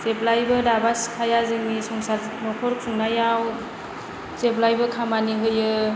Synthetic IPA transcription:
zeplajbɯdabaskʰajazɯŋnisɔŋsaɾ | nɔkʰɔɾkʰuŋnajaw | zeplajbɯkʰamaniɦɯjɯ

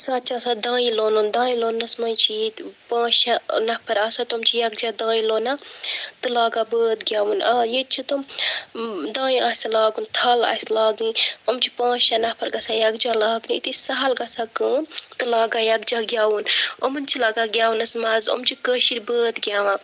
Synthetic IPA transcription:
saːt̪t͡ʃʰaːsad̪ãːĩloːnuːnd̪ãːĩloːnːɐsmɐ̃t͡ʃʰijit̪pãːʃanɐpʰɐɾaːsat̪omt͡ʃʰijɐɡ̚d͡ʒaːd̪ãːĩloːnaːt̪ɨlaːɡaːbəːt̪ɡʲjaːwuːnaːjet͡ʃʰit̪um | d̪ãːĩaːslaːɡuːnt̪ʰɐːla̰ːslaːɡĩːomt͡ʃʰi̥pãːʃanɐpʰɐɾɡɐsaːjɐɡd͡ʒaːlaːɡniit̪isɐɦɐlɡɐsaːkəːnt̪ɨlaːɡaːjɐɡd͡ʒaːɡʲjaːwuːnomɐnt͡ʃʰilaːɡaɡʲjaːwunɐsmɐzo̰mt͡ʃʰikəːʃiɾbəːt̪ɡʲjaːʋã

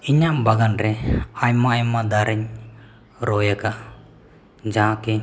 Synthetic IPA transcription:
iɲambaɡanɾɛajmajmad̪aɾɛɲ | ɾɔjakaʔ | d͡ʒãːkɛ

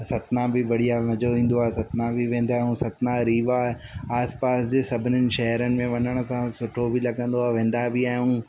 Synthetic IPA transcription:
sɐt̪nãbɪʋɐɽ̤ijamɐd͡ʑoʋĩːn̆d̪oaːesɐt̪nãbiʋẽːnd̪aːɦũsɐt̪naɾiːʋae | aːspaːsd͡ʑeːsɐbʱɪnənɪ̆ʃɐɦɾənɪ̆mẽʋɐɲəɽ̃ʊsãsʊʈʰobilɐɡə̃nd̪oaːeʋẽːn̆d̪abiaːɦũ

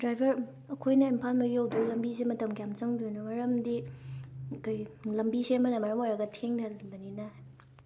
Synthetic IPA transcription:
dɾajbʱɐɾ | ɐkʰojnɐimpʰalmɐɡiowdulɐmbisemɐtɐmkʰjamt͡ʃɐŋdujnomɐɾɐmdi | kʰajlɐmbisemɐnɐmɐɾɐmojɾɐɡɐtʰeŋdɐbɐninɐ

